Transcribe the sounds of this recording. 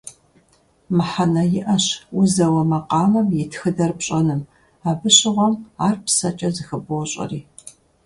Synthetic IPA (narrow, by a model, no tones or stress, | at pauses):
mɨħanɐjɪʔɐɕʊzɐwɐmɐqɑːmɐmjɪtʰxɨdɐrpɕʼɐnɨm | abɨɕɪʁʷɔmaːrpsɐt͡ʃʼɐzɨxɨboɕʼɐ̰riː